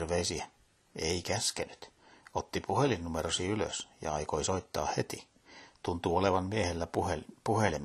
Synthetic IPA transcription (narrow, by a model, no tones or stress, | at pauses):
rʋeisiæ | eikæskenyt̪ | ot̪ːipʰuhelinnumeɾosiylø̰sjɑ̰ɑikoisoit̪ːɑ̰ːhhet̪i | t̪unt̪uoleʋɑnmiehelːæpuhelim